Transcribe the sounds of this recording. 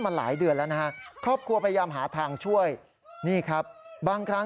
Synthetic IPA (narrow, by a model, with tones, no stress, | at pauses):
maː˧la̰ː˩˦jdɯ˧əlɛː˦˥wna˦˥ha˦˥kʰɾɔː˥˩p̚kʰɾu˧ɐpʰa˧jajaː˧mɦa̰ː˩˦t̪ʰaː˧ŋt͡ɕʰu˥˩əj | niː˥˩kʰɾa˦˥p̚baː˧ŋkʰɾa˦˥